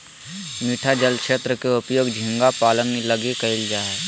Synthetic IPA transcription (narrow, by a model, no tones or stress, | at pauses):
miːʈʰad͡ʒəlkʃeːt̪ɾəkeʊpjoːɡd͡ʒʱɪ̃ŋɡapaːlə̃nɡniləɡekəɪld͡ʒaːɛ